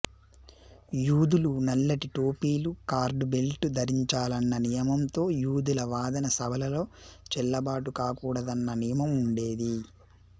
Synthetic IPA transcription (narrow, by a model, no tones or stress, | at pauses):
juːd̪ulunɐlːɐʈiʈoːpiːlukaːɾɖbelʈud̪ʱɐɾiɲt͡ʃaːlɐnːɐnijɐmɐmt̪o̞ːjuːd̪ulɐʋaːd̪ɐnɐsɐbʱɐlɐlo̞ːt͡ʃɛlːɐbaːʈukaːkuːɽɐd̪ɐnːɐnijɐmɐmuɳɖe̞ːd̪i